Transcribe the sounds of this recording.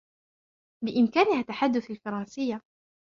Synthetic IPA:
bɪʔɪmkaːnɪhat̪ːaħad̪ːʊθalfɑɾˤɑnsɪjːa

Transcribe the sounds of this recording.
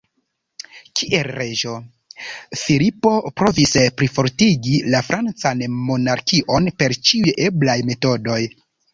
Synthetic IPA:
kʰiʔelɾeʒo̞ | filipo̞pɾo̞vispɾifo̞ɾtiɡilafɾʔant͡sanmo̞naɾkiʔo̞npe̞ɾt͡ʃiujeblajme̞to̞do̞j

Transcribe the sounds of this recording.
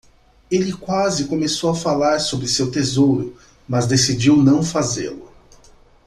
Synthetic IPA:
elɪkwazɪkomesowafalaɾsobɾɪsewt̪ezowɾʊ | mɐzd̪esid͡ʒiwnɐ̃w̃fazḛlʊ

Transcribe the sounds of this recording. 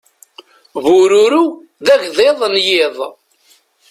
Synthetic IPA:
vʊɾuɾu | ðæʝðeðˤnjɪðˤ

